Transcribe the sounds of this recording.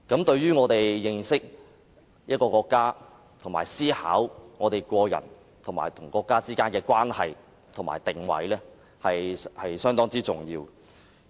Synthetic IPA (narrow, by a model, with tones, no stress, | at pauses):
kɐ˨˥mt̪ɵ˧ɥɥyː˥ŋɔː˨˧t̪e˨jːɪ˧ŋsɪ˥k̚ | jɐ˥t̚kɔː˧kɔː˧kːaː˥ | t̪ʰʊ˨˩ŋmaː˨˩jsiː˥ha̰ː˨˥wŋɔː˨˧t̪e˨jkʷɔː˧jɐ̰˨˩n | t̪ʰʊ˨˩ŋma̰ː˨˩jt̪ʰʊ˨˩ŋkɔː˧kːaː˥t͡siː˥kaː˥nkɛː˧kwaː˥nhɐ̰˨j | t̪ʰʊ˨˩ŋma̰ː˨˩jt̪ɪ˨ŋwɐ̰˨˥jlɛː˥ | hɐ˨jhɐ˨jsœː˥ŋt̪ɔː˥ŋt͡siː˥t͡sʊ˨ŋjiː˧w